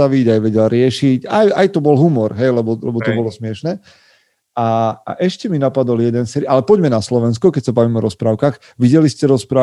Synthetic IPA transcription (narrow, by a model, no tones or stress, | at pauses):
aʋiɟajʋɛɟɛlɾɪɛʃicajajt̪ɔbɔlɦumɔɾɦɛjlɛbɔlɛbɔt̪ɔbɔlɔsmɪɛʃnɛ | aa̰ʔɛʃcɛminapad̪ɔljɛd̪ɛnsɛːɾiʔalɛpɔɟmɛnaslɔʋɛnskɔkɛc̚sabaʋimɔɾɔspɾaːʊkaːx | ʋiɟɛliscɛɾɔspɾaː